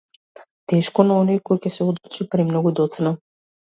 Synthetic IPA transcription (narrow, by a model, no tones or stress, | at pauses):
t̪ɛʃkɔnaɔnɔjkɔjcɛsɛɔd̪ut͡ʃipɾɛmnɔɡud̪ɔt̪sna